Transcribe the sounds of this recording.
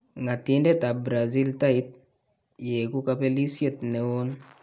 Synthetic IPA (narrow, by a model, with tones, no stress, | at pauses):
ŋa˨ti˦nde˦ta˨bɾa˨zi˦lta˦i˦t̚ | je˨ku˦ka˦pe˦li˦sje˦˨tne˨wo˦n